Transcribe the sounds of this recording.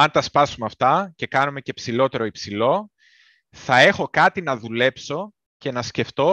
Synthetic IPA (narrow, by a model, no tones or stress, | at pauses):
ɐnt̪ɐspɐsumeɐft̪ɐce̞kɐnume̞ce̞psilo̞t̪e̞ɾo̞ipsilo̞ | θɐe̞xo̞kɐt̪inɐðule̞pso̞ | ce̞nɐsce̞ft̪o̞